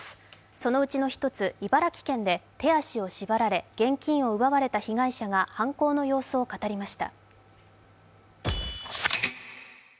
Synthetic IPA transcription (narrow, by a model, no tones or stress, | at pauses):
so̞no̞ɯ̟t͡ɕino̞çi̥t̪o̞t͡sɨibaɾakʲi̥kẽ̞nd̪e̞t̪e̞aɕio̞ɕibaɾaɾe̞ɡ̥ẽ̞ŋkʲĩɰ̃o̞ɯ̟βaβaɾe̞t̪açiɡaiɕaɡahãŋko̞ːno̞jo̞ːsoːkat̪aɾʲimaɕi̥t̪a̰